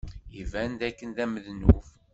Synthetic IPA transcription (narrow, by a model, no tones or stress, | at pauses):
ivænd̪ækːənðæməðnṵf